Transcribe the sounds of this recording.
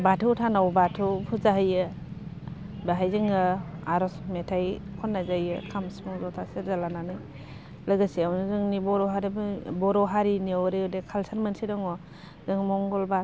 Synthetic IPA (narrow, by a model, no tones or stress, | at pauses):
batʰɯtʰanawbatʰupʰuzaɦɯjɯ | baɦajzɯŋɯaɾɔsmetʰajkʰɔnːazajɯkʰamsmɔŋzɔtʰaseɾzalananɯj | lɯɡɯsiawnzɯŋnibɔɾɔɦaɾibbɔɾɔɦaɾiniwɾeɔdekʰalsʰaɾmansidɔŋɔ | zɯŋmɔŋɡɔlba